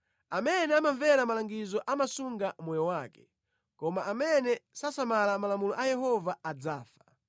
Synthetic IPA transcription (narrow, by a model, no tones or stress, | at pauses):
amɛnɛamaɱvɛɾamalaŋɡizɔʔamasuŋɡamɔjɔwaːkɛ̥ | kɔmaʔamɛnɛsasamalamalamulɔʔajɛhɔvaad͡zaːfḁ